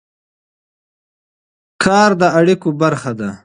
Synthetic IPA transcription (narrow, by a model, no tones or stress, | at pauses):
kʰɑːɾd̪əaɽikobaɾxad̪a